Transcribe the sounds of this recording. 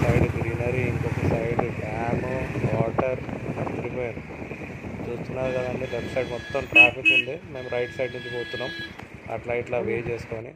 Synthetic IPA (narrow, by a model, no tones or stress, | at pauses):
sɐjɖd̪ɾinɐɾiiŋkɔkːɐsɐjɖuɖaːmuʋaːʈɐɾɐnd̪ɐɾipoːjinu | t͡ʃuːst̪unːaːɾukɐd̪aːɳʈeʋepʈsɐjɖmɔt̪ːɐmʈɾaːpikund̪ime̞ːmɾɐjʈsɐjɖnuɲt͡ʃipoːt̪unːaːm | ɐ̰ʈlɐjʈlaːʋeːt͡ʃeːsu̥k̪oːni